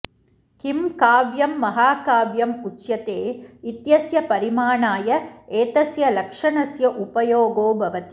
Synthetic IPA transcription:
kɪmkaːʋjɐmːɐɦaːkaːʋjɐmʊt͡ʃːjɐt̪eːɪt̪jɐsjɐpɐɾɪmaːɳaːjɐeːt̪ɐsjɐlɐkʂɐɳɐsjɐʔʊpɐjoːɡoːbʱɐʋɐt̪i̥

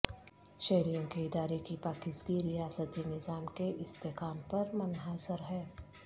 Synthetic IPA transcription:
ʃɛɦɾijõkeɪd̪aːɾekipaːkɪsɡiɾijaːsət̪inɪzaːmkeʔɪst̪eɦkaːmpɐɾmɐnɦaːsəɾɦɛː

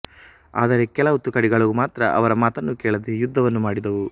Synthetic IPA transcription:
a̰ːd̪ɐɾe̞kɛlɐut̪ːukɐɽiɡɐɭuumaːt̪ɾɐʔɐ̰ʋɐɾɐmaːt̪ɐnːukɛːɭɐd̪ejud̪ʱːɐʋɐnːumaːɽid̪ɐʋu

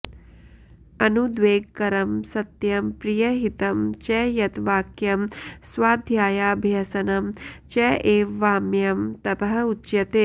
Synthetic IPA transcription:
ɐnud̪ʋeːɡkɐɾɐmsɐt̪jɐmpɾijɐɦit̪ɐmt͡ʃɛːjɐt̪ʋaːkjɐmsʋaːd̪ʱjaːjaːbʱjɐsɐnɐmt͡ʃɛʔeːʋʋaːmjɐmt̪ɐbɐɦɐutʃjɐt̪eː

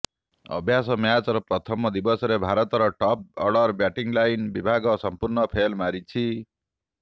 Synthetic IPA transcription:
ɔ̰bʱjasɔmjat͡ʃɔɾɔpɾɔt̪ʰɔmɔd̪ibɔsɔɾebʱaɾɔt̪ɔɾɔʈɔp̚ɔɾɖɔɾbjaʈiŋɡlajnbibʱaɡɔsɔmpuɾnɔpʰelmaɾit͡ʃʰi

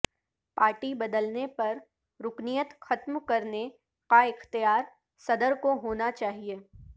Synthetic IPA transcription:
paːɾʈibɐd̪əlnepɐɾ | ɾʊknijət̪xɐt̪mkɐɾne | kaɪxt̪ijaːɾ | sɐd̪əɾkoɦoːnat͡ʃaːɦieː

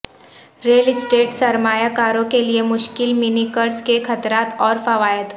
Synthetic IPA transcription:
ɾeːlɪsʈeːʈsɐɾmaːjakaːɾõkeliemʊʃkɪlmɪnikəɾskexɐt̪ɾaːt̪ɔːɾfɐʋaːjət̪

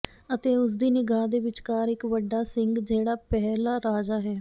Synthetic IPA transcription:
ət̪eːʊs̬d̪iːnɪɡaːd̪eːʋɪt͡ʃkaːɾɪkʋəɖːaːsɪŋɡd͡ʒeːɽaːpɛɦlaːɾaːd͡ʒaːɦɛː

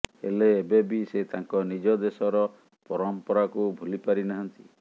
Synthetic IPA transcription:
ḛleːbebiset̪aŋkɔnid͡ʒɔd̪esɔɾɔ | pɔɾɔmpɔɾakubʱulipaɾinaɦɔnt̪i

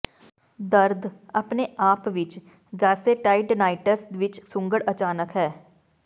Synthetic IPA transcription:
d̪əɾd̪ʱɐpneaːpʋɪt͡ʃ | ɡaːseʈaːɪɖnaːɪʈəsʋɪt͡ʃsʊ̃ŋɡəɽət͡ʃaːnəkɦɛː

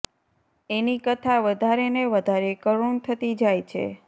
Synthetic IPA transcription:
enikət̪ʰaʋəd̪ʱaɾeneʋəd̪ʱaɾekəɾuɳt̪ʰət̪id͡ʒajt͡ʃʰḛ

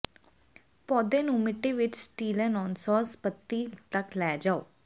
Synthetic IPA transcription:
pɔːd̪ẽːnũːmɪʈːeːʋɪt͡ʃsʈiːlɛ̃ːnɔːnsɔːspət̪ːiːt̪əklɛːd͡ʒaːo̰ː

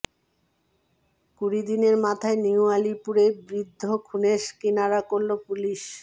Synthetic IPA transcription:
kuɾid̪ineɾmat̪ʰaeniualipuɾebɾid̪ʱːokʰuneʃkinaɾakoɾlopuliʃ

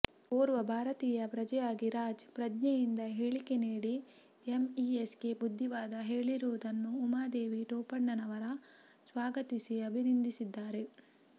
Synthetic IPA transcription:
poːɾʋɐbʱaːɾɐt̪iːjɐpɾɐd͡ʒɐjaːɡiɾaːd͡ʒpɾɐdɲɛjind̪ɐɦeːɭike̞niːɽi | emieske̞bud̪ʱːiʋaːd̪ɐɦe̞ːɭiɾuʋud̪ɐnːuːmaːd̪eːʋiʈoːpɐɳːɐnɐʋɐɾɐ | sʋaːɡɐt̪isiɐbʱinind̪ʱisid̪ːaːɾe̞

